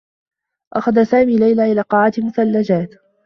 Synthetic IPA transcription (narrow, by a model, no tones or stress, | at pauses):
ʔaxaðasaːmiːlajlaːʔɪlaːqɑʕaːt̪ɪlmʊθalːad͡ʒaːt̪